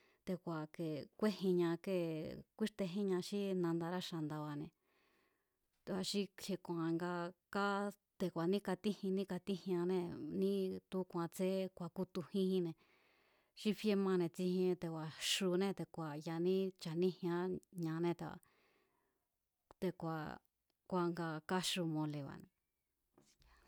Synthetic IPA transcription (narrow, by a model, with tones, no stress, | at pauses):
t̪e˧kʷa˨ke˨kʷe˦hĩ˧ɲã˧ke˧˨kʷi˦ʂt̪e˧ɦĩ˦ɲã˧ʃi˦nã˧nd̪a˧ɾa˦ʃa˧˨nd̪a˧βa˧˨nẽ˧ | t̪e˧wa˧ʃi˦he˧kʷã˨˧ŋɡa˧ka˦ | t̪e˧˨kʷa˨nĩ˦ka˧t̪i˦hĩ˧nĩ˦ka˧t̪i˦hj̃ã˧nẽ˧nĩ˦t̪u˧˦kʷã˧t͡se˦kʷa˨ku˦t̪u˧hĩ˦hĩ˧nẽ˧ | ʃi˧fe˧mã˧nẽ˧t͡si˧hĩ˧t̪e˨kʷwa˨ʃu˧nẽ˦˧t̪e˨kʷa˨ja˧nĩ˦t͡ʃa˨nĩ˦hj̃ã˧˦ɲã˧nẽ˦t̪e˧a̰˧ | t̪e˧kʷa˨ | kʷa˧ŋɡa˧ka˦ʃu˧mõ˧le˨βa̰˨nẽ˧